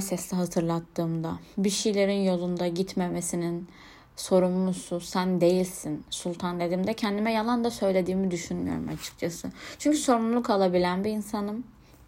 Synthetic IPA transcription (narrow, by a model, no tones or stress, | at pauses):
sɛslʲiɦat̪ʰɯɾlˠat̪ʰːɯːmd̪abiʃijlʲe̞ɾinjo̞lˠund̪aɟit̪memesinin | so̞ɾumlˠususænd̪e̞jilʲsinsulˠt̪ʰand̪ed̪iːmd̪ɛcʰɛnd̪imɛjalˠand̪asø̞jlʲe̞d̪iːmid̪yʃynmy̰jo̰ɾṵmat͡ʃʰɯ̥k̚t͡ʃʰasɯt͡ʃʰyɲcyso̞ɾumlˠukalˠabilʲænbiːnsanɯm